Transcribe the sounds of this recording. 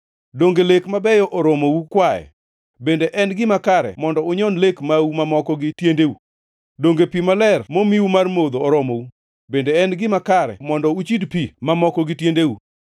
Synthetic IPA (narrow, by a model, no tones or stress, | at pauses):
doŋɡelekmabɛjɔʔɔɾomoukwajɛ̰ | bendeʔɛnɡɪmakaɾɛ̰mɔndɔʊɲɔnlekmawumamɔkɔɡɪtjendewu | doŋɡepimalɛrmomiwumarmod̪oːɾɔmowu | bendeɛnɡɪmakaɾɛ̰mɔndɔut͡ʃidpimamɔkɔɡɪtjendewu